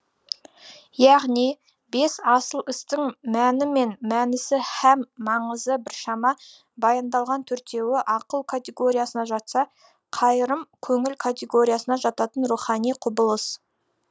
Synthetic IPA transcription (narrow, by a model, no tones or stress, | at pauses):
jɑʁnij | be̞sɑsəlˠɪst̪ɪŋmænɪme̞nmænɪsɪhæmːɑɴəzəbɪɾʃɑmɑ | bɑjɑnd̪ɑlˠʁɑnt̪ʰɵɾt̪ʰe̞wɪʔɑqəlˠkʰat̪ʲe̞ɡo̞ɾʲijasənɑʒɑt̪sɑ | qʰɑjɾəmkʲʰɵŋɪlkʰat̪ʲe̞ɡo̞ɾʲijasənɑʒɑt̪ɑt̪ənɾuχɑnijqʰʊbəlˠəs